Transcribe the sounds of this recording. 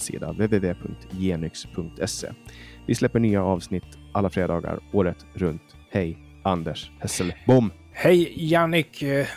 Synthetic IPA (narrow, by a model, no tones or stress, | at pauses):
sḭːd̪a̰veːveːveːpʰɵŋk̚t̪jeːnʏkspʰɵŋk̚t̪ʰɛsḛːvɪslɛpːəɳyːaɑːvsnɪt̪ː | ʔalːafɾeːd̪ɑːɡa̰ɾoːɾət̪ɾɵnt̪ | hɛj | ʔand̪əʂhɛsəlbʊmː | hɛjjanɪk